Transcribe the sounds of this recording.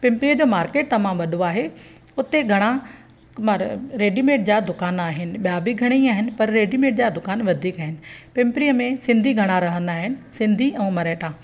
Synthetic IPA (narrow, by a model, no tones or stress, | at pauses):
pɪ̃mpɾiəd͡ʑoːmaːɾkeːʈ̚t̪ɐʋ̤ãʋɐɗoaːɦe | ʊt̪eɡʱɐɽ̃ã | ɾeːɖimẽːʈ̚d͡ʑad̪ʊkaːnaːɦɪnɪ̆ɓijabiɡʱɐɽ̃eiaːɦɪnɪ̆pɐɾːeːɖimẽːʈ̚d͡ʑad̪ʊkaːnʋɐd̪ʱiːkaːɦɪnɪ̆pɪ̃mpɾijəmẽsɪ̃nd̪ʱiɡʱɐɽ̃aɾɐɦə̃nd̪aːɦɪnɪ̆sɪ̃nd̪ʱiɛ̃ːmɐɾeːʈaː